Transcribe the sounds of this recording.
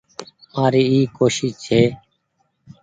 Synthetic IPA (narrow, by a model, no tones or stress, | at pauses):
aːɾiːiːkoːʃiːt͡ʃʰeː